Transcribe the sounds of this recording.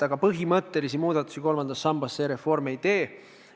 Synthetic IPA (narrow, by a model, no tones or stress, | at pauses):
t̪ɑɡ̥ɑpɤɦimɤt̪ːe̞lisimuːd̪̥ɑt̪ːˑu̥siko̞lmɑnd̪ɑsːɑmbɑsːeːɾe̞fo̞rme̞jt̪e̞ː